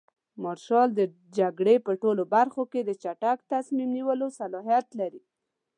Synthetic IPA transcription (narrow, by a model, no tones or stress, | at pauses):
mɑɾʃɑld̪ə | d͡ʒaɡɽepəʈolobaɾxoked̪ət͡ʃaʈakt̪asmimniwəlosalɑɦijat̪laɾi